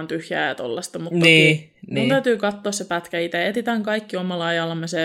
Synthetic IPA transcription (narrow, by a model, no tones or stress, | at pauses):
nt̪yhjæ̰ːjɑt̪o̰lːɑst̪ɑmut̪nːiːinunt̪æyt̪yːkɑt̪ːoːssepæt̪kæit̪eet̪it̪æŋkɑikːiomɑlːɑɑjɑlːɑmese